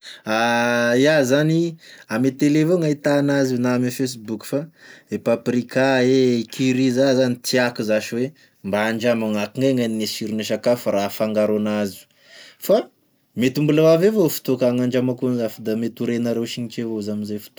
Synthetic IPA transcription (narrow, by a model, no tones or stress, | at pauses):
ajazaniamet̪elevoŋait̪anazunaamifes̬ibuku̥faepapɾikaekʰiɾizazanit̪ʰiakuzaʃiwe | mbaaɳd͡ʒamaŋakiŋaŋaninesiɾinaʃ̬akafaɾafaŋɡaɾanazu̥ | fa | met̪umbulawavevofu̥t̪okaŋaɳd͡ʒamakonzafad̪amet̪uɾenaɾewʃiŋit͡ʃevozaminzefu̥t̪o